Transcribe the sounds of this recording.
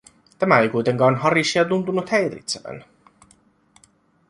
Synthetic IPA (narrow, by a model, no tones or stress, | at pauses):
t̪æmæejkujt̪e̞ŋkɑːnɦɑrisːiɑt̪unt̪unut̪hejɾḭt̪seʋæ̰n